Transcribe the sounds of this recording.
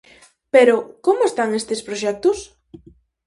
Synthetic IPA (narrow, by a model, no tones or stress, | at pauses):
peɾʊkomʊest̪aŋest̪espɾoʃɛk̚t̪ʊs